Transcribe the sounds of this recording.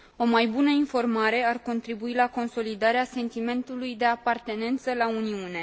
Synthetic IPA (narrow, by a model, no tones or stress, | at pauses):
o̞majbunəinfo̞rmaɾe̞arko̞nt̪ɾibuilako̞nso̞lid̪aɾease̞nt̪ime̞nt̪ulujd̪e̞apart̪e̞ne̞nt̪səlauniune̞